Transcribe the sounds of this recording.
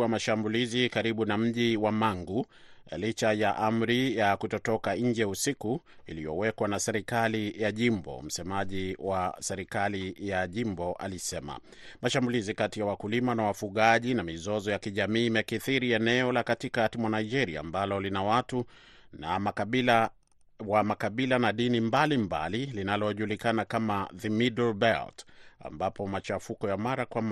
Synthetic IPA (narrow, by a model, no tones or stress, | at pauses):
amaʃambulizikaɾiɓunam̩ʄiwamaŋɡu | lit͡ʃajaʔam̩ɾijakutɔtɔkaɲ̩d͡ʒɛusikuilijɔ̰wɛkwanasɛɾikalijaʄimbɔ̰m̩sɛmaʄiwʔasɛɾikalijaʄimbɔʔa̰lisɛma̰ | maʃambulizikatijawakulimanawafuɠaʄinamizɔzɔjakiʄamiːmɛkiθiɾiɛnɛɔlakatikatimwanaid͡ʒɛɾia̰ːmbalɔlinawatu | namaia | wamakaɓilanaɗinimbalimba̰lilinalɔʄulikanakamaðimidɔlbɛlta̰mbapɔmat͡ʃafukɔjamaɾakwam